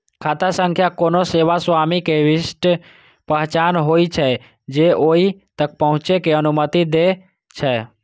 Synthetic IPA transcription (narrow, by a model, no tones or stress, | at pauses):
kʰat̪asəŋkʰjakonoseʋaswamikeʋisʈ | pəɦt͡ʃanɦojt͡ʃʰɛ | d͡ʒeoit̪ək̚pəɦʊ̃t͡ʃekeənumət̪id̪e | t͡ʃʰɛ